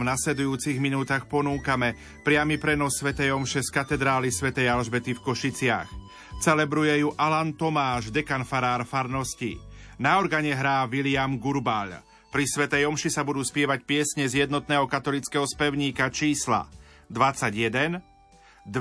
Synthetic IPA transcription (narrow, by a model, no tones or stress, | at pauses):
naslɛd̪ujuːt͡siɣminuːt̪aːxpɔnuːkamɛ | pɾɪamipɾɛnɔsːʋɛt̪ɛjɔmʃɛskat̪ɛd̪ɾaːlisʋɛt̪ɛjalʒbɛt̪ifkɔʃit͡sɪa̰x | t͡sɛlɛbɾujɛjuʔalant̪ɔmaːʒd̪ɛkanfaɾaːɾfaɾnɔsci | naɔɾɡaɲɛɦɾaːʋilɪamɡuɾbaʎ | pɾisʋɛt̪ɛjɔmʃisabud̪uːspɪɛʋacpɪɛsɲɛzɪjɛd̪nɔt̪nɛːɦɔkat̪ɔlit͡skɛɦɔspɛʊɲiːkat͡ʃiːsla̰ | d̪ʋat͡saɟjɛd̪ɛn | d̪